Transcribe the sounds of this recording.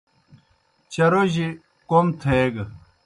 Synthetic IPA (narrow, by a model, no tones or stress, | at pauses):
t͡ɕɐɾoʑi | komt̪ʰeɡ